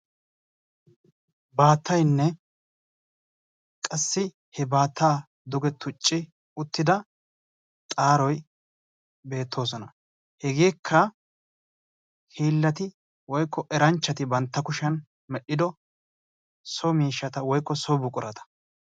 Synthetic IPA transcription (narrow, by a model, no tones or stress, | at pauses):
baːt̪ːɐjnːɛ | kʼɐsːɪ | hɛbaːt̪ʰːaː | d̪ɔɡɛt̪ːʊt͡ʃʼːɪ | ʊt̪ːɪd̪ɐ | t̪ʼaːɾɔj | be̞ːt̪ʰːo̞ːs̬ɔnɐ | hɛɡeːkʰːɐ | hiːlːɐt̪ɪ | wɔjkʰːɔʔɛɾɐnt͡ʃːɐt̪ɪbɐnt̪ːɐkʊʃɐn | mɛɗːɪd̪ɔ | sɔmiːʃːɐt̪ɐwɔjkːɔsɔbʊkʼʊɾɐt̪ɐ̥